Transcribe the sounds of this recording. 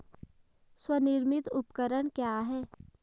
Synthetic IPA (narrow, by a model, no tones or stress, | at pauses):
swənɪɾmɪt̪ʊpkəɾəɽ̃kjaːɦɛː